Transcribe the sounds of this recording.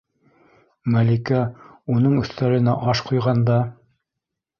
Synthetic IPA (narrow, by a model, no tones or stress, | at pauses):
mælikæunɤɴɵ̆θt̪æɾɘ̆næʔɑʃqujʁɑnd̪ɑ